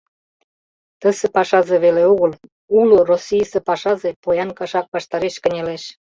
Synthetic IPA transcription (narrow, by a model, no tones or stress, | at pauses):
t̪ə̆sĕpɑʃɑzeβeleoɣəl | ulorosijsĕpɑʃɑzepojɑnkɑʃɑk̚βɑʃt̪ɑɾeʃkə̆nʲeleʃ